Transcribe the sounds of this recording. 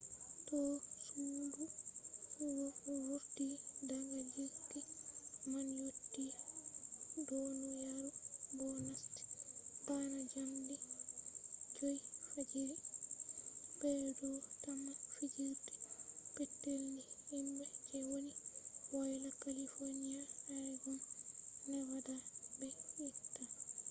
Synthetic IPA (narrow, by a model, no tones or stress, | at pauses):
tɔsuːdu | wɔwuɾtidaŋɡad͡ʒiɾdimanjotːi | dɔnɔjaɾubɔnasti̥banad͡ʒamdi | d͡ʒojfad͡ʒiɾi | b̥ɛdɔtamːafid͡ʒiɾdi̥pɛtːelːihimbɛd͡ʒɛwoniwajlakalifonijajajɡɔnnɛwadabɛjitːa